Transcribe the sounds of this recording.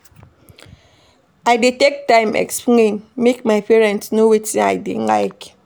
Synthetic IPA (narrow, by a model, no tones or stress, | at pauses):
aɪditɛk̚tːãɪ̃mɛ̰kspĩnmekmaɪpɛɹɛ̃ntsnowitĩa̰ɪdḭn̩la̰ɪk